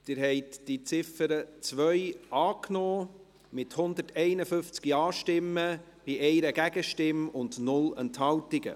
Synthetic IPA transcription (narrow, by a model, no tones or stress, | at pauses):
d̪̥ɪːɾɦɛɪtd̥it͡sɪfəɾət͡sʋœʏɑːknɔː | mɪthʊnd̪ətɛɪnəfʏft͡skiɑːʃtɪmːə | b̥iʔɛɪɾəɡæɡəʃtɪmʊndnʊlənthɑltɪɡə̰